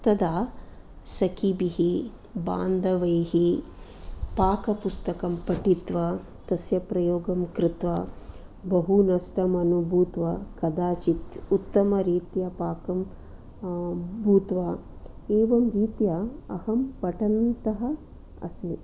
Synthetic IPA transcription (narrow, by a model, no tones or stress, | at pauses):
t̪ɐd̪aː | sɐkʰibiɦi | ba̰ːnd̪ʱɐʋɐjɦi | paːkɐpust̪ɐkɐmpɐʈit̪ʋɐ | t̪ɐsjɐpɾɐjoːɡɐmkɾɪt̪ʋɐ | bɐɦunɐʂʈɐmɐnubʱuːt̪ʋɐkɐd̪aːt͡ʃit̪ut̪ːɐmɐɾiːt̪jɐpaːkɐm | bʱuːt̪ʋɐ | eːʋɐmɾiːt̪jɐɐhɐmpɐʈɐnt̪ɐɦɐ | ɐ̰smi